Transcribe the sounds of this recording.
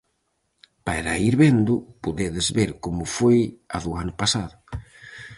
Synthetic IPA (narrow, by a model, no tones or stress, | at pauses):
paɾaiɾβend̪ʊpuðeðezβeɾkomʊfoja̰ðuanʊpasaðʊ